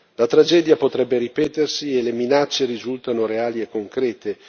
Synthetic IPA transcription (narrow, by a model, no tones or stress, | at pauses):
lat̪ɾad͡ʒɛd̪japot̪ɾɛbːeɾipɛːt̪ersieleminat͡ʃːeɾizult̪anoɾeaːliekːoŋkɾɛːt̪e